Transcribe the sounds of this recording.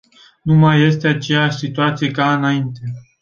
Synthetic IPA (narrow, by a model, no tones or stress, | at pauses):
numaje̞st̪e̞at͡ʃe̞jaʃʲsit̪uat̪sije̞kaɨnaint̪e̞